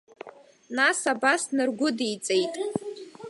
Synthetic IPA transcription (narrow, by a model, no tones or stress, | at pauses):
nasabasnɨrɡʷʊdijt͡sʼe̞jtʼ